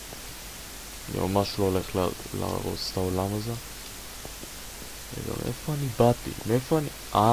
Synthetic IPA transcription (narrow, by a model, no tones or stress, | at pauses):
anḭmamaʃlooleχl | la̰ʁo̰t͡staolamaze | vḛɡa̰mʔefoanibatḭmeefoani | a